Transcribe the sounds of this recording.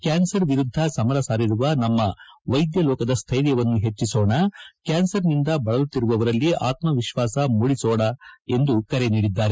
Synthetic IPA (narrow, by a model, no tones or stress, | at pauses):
kaːnsɐɾʋiɾud̪ʱːɐsɐmɐɾɐsaːɾiɾuʋɐnɐmːɐʋɐjd̪jɐlɔːkɐd̪ɐst̪ʰɐjɾjɐʋɐnːuɦe̞t͡ʃːisoːɳɐkaːnsɐɾnind̪ɐbɐɭɐlut̪ːiɾuʋɐʋɐɾɐlːiʔa̰ːt̪mɐʋiʃʋaːsɐmuɽisɔːɽɐe̞nd̪ukɐɾeniːɽid̪ːaːɾe